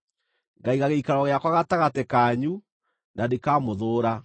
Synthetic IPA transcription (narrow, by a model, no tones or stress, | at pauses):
ŋɡaiɣaɣeikaɾɔɣeakwaɣataɣatɛkaːɲu | nadekaːmoðoːɾa